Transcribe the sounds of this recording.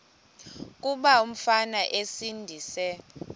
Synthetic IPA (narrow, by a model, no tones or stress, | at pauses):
kʼuɓaum̩fanaʔesindʱiːsɛ